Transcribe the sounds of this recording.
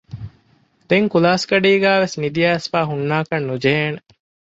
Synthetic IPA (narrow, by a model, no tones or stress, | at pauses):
d̪̥eŋkulaːskɐɖiːɡæːʋesnid̪iɐɐsfæːɦunːaːkɐnːud͡ʒeɦeːne